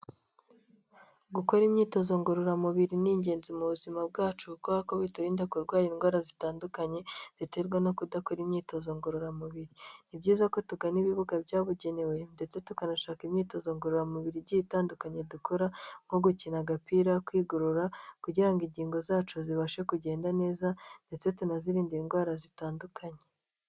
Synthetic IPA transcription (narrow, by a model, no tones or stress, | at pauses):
ɡuko̞ɾimɲiːto̞zo̞ŋɡoɾoɾamuβiɾiniɲɟe̞ːnzimuβuzimab̚ɡaːt͡ʃuɡoakoβituɾiːndakuɾɡwaːjiŋɡwaːɾazitaːndukaɲe̞z̥ite̞ɾɡwano̞kudako̞ɾimɲiːto̞zoŋɡoɾoɾamuβiɾinibɟiːzako̞tuɡaniβiβuɡabɟaːβuɟe̞ne̞we̞nde̞t͡se̞tukanaʃaːkimɲiːto̞zo̞ŋɡoɾoɾamuβiɾibɟiitaːndukaɲe̞dukʰo̞ɾaŋ̥oɡucinaɡapiɾakwiːɡuɾuɾakuɟiɾaŋɡiɲɟiːŋɡo̞zaːt͡ʃuziβaʃe̞kuɟe̞ːndane̞ːzande̞t͡se̞tunaziɾiːndiŋɡwaːɾazitaːndukʰaɲe̞